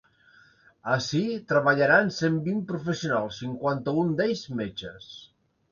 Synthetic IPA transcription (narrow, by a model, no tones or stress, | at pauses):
əsit̪ɾəβəʎaɾansembimpɾufəsiunalˠsːiŋkwant̪əund̪eʎzmed͡ʒəs